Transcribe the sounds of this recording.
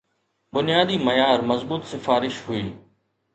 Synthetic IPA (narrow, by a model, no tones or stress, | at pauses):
bʊnɪjaːd̪iːmɐjaːɾmɐzbuːt̪sɪfaːɾɪʃɦʊiː